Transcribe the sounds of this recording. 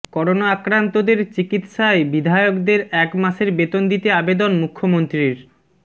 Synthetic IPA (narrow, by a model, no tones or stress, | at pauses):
kɔɾonaakɾant̪od̪eɾt͡ɕikit̪ʃaebid̪ʱaeokd̪eɾɛkmaʃeɾbet̪ond̪it̪eabed̪onmukʰːomont̪ɾiɾ